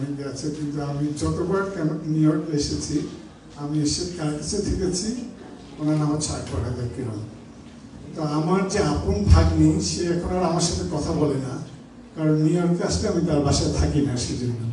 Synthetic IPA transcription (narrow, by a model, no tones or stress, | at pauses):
miɡeat͡ɕʰekint̪uamid͡ʑɔt̪obaɾkɛnonioɾkeʃet͡ɕʰi | amieʃekaɾkit͡ɕʰut̪ʰeket͡ɕʰi | onanamat͡ɕʰaʈʰɔkad̪eɾkiɾon | t̪oamaɾd͡ʑeaponbʱaɡnejʃeɛkʰonoaɾoamaɾʃat̪ʰekɔt̪ʰabɔlena | kaɾɔnːioɾk̚t̪eaʃteamit̪̬aɾbʱaʃaet̪ʰakinaʃed͡ʑonːo